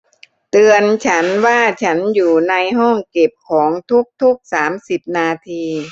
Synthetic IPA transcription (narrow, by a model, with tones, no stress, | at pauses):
t̪ɯ˧ənt͡ɕʰa˦˥nwaː˥˩t͡ɕʰa˦˥njuː˨˩na˧jɦɔː˥˩ŋke˨˩p̚kʰɔː˩˦ŋt̪ʰu˦˥k̚t̪ʰu˦˥k̚saː˩˦msi˨˩p̚naː˧t̪ʰiː˧